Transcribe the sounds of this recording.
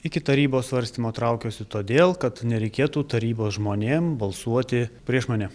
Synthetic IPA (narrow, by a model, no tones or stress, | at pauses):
ɪkʲɪt̪ɐɾʲiːboːssʋɐɾʲsʲt̪ʲiːmoːt̪ɾɐʊkʲoːsʲɪt̪oːd̪ʲeːlˠkɐt̪nʲɛɾʲɛɪkʲeːt̪uːt̪ɐɾʲiːboːsʒmoːnʲeːmbɐlˠsuɔt̪ʲɪpʲɾʲiɛʃmɐːnʲɛ